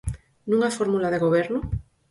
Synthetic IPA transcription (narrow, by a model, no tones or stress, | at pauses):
nũŋafoɾmulað̞e̞ɣoβ̞eɾno